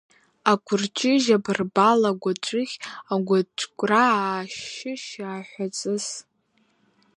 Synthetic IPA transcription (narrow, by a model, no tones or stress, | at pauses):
akʷʰʊrt͡ʃʰʼɪʒabɨrbalaɡʷat͡ʃʷʼɨχʲaɡʷat͡ʃʷʼkʷʼraaːʃɪʃaːħʷat͡sʼɨz